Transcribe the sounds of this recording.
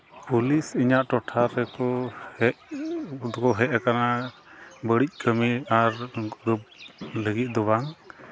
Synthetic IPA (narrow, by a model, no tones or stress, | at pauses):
pulisiɲaʔʈɔʈʰaɾɛkɔhɛʔ̪ | ɔkɔɦɛʔkana | bəɽic̚ˀkʰəmiaɾɾup̚ləɡit̪̚ˀd̪ɔbaŋ